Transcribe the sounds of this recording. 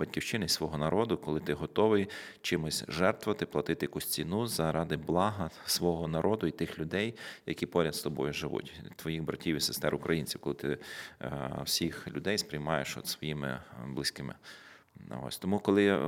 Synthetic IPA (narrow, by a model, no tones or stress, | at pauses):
bɐtʲkʲiwt͡ʃɪnɪisʋɔɦɔnɐɾʔɔd̪ʊkɔlˠɪt̪ɪɦɔt̪ɔʋɪj | t͡ʃɪmʊsʲʒɛrt̪ʋɐt̪ɪplˠɐt̪ɪt̪ɪjɐkusʲt͡sʲinuzɐɾɑd̪ɪblˠɑɦɐsʋɔɦɔnɐɾʔɔd̪ʊit̪ɪxlʲʊd̪ɛjjɐ̰kʲipɔɾʲɐd̪st̪ɔbɔjʊʒɪʋṵtʲt̪ʋɔjixbɾɐtʲiwʲisest̪ɛ̰ɾʊkɾʔɐjinʲt͡sʲiwkɔlˠɪt̪ɪ | wsʲixlʲʊd̪ɛjspɾɪjmɑjeʃɔ̰t̪sʋɔjimɪ̰blˠɪsʲkɪmɪ̰ | ɔ̰sʲt̪ɔmukɔlˠɪ